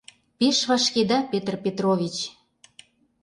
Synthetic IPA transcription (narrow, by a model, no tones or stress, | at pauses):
peʃβɑʃked̪ɑpet̪rpʲet̪roβʲit͡ɕ